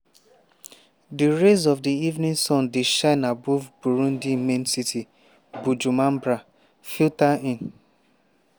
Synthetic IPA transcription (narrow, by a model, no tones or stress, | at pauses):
diɾezɔvdiivnĩŋsɔ̃ndiʃaɪnabovbuɾũn̩dimensitʰi | bud͡ʒumam̩bɾa | filtaĩn